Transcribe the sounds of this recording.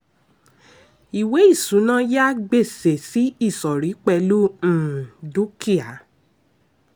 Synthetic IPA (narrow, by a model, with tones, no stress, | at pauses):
i˨we˨˦i˦˨sũ˨˦nã˦ja˦ɡ͡be˦˨se˨si˨˦i˦˨sɔ˨ɾi˨˦k͡pɛ˧lu˦ñ̩˦˨du˦ki˦a˨˦